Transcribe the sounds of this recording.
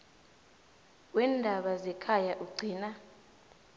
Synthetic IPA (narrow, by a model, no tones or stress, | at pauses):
wɛːndʱaɓazɛkʰajaʔuɡ͡ǀʱiːna